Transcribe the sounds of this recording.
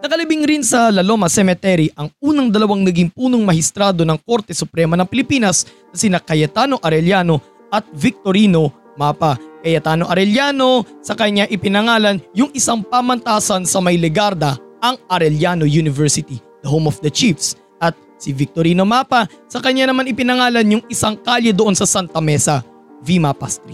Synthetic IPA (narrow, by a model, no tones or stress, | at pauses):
nɐkɐlɐbɪŋɾinsɐlɐlo̞mɐsɛmɛt̪ɛɾiʔɐŋuːnɐŋd̪ɐlɐwaŋnɐɡɪŋpuːnoŋmɐhɪst̪ɾaːd̪o̞nɐŋko̞ɾt̪ɛsʊpɾɛmɐnɐŋpɪlɪpiːnɐsnɐsɪnakɐjɐt̪ano̞ʔɐɾɛljano̞ | ʔɐt̪̚vɪk̚t̪oɾino̞ | maːpɐkɐjɐt̪aːno̞ʔɐɾɛljano̞sɐkɐɲːaʔɪpɪnɐŋaːlɐnjʊŋʔɪsaŋpamɐnt̪aːsɐnsɐmɐjlɛɡaɾd̪ɐʔɐŋʔɐɾɛljanojunɪvɛɹsɪt̪i | d̪ɐɦomofd̪ɐt͡ʃifs | ʔɐt̪̚ | sɪvɪk̚t̪oɾiːno̞maːpɐsɐkɐɲanɐmanɪpɪnɐŋaːlɐnjʊŋɪsaŋkaljɛd̪oʔo̞nsɐsant̪ɐmɛsɐ | vimɐpa̰st̪ɾi